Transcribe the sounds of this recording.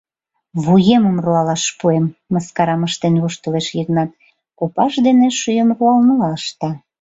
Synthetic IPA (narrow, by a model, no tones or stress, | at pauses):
βujeməmruɑlɑʃpuemːəskɑɾɑməʃt̪enβuʃt̪əleʃjəknɑt̪̚ | kupɑʃd̪eneʃyjəmruɑlnuɑəʃt̪ɑ